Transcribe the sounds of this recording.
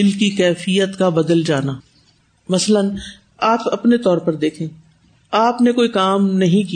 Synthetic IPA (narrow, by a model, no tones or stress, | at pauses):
ɪlkikɛːfijət̪kabɐd̪əld͡ʒaːnaː | mɐslən | aːpɐpnet̪ɔːɾpɐɾd̪eːkʰẽː | aːpnekoːikaːmnɐɦĩki